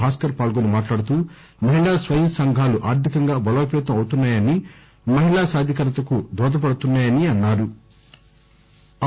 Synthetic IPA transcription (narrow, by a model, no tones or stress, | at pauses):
aːskɐɾpaːlɡonimaːʈlaːɽut̪uː | mɐɦiɭaːsʋɐjɐmsɐŋɡʱaːluʔaːɾt̪ikɐŋɡaːbɐloːpɛːt̪ɐmɐwut̪unːaːjɐni | mɐɦiɭaːsaːd̪ʱjɐkɐɾɐt̪ɐkud̪ɔːd̪ɐp̬ɐɽut̪unːaːjɐniɐnːaːɾu